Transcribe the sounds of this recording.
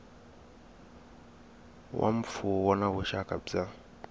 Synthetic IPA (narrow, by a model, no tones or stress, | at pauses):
wʔa̰m̩pfuwɔnaβuʃakʼab͡ʐa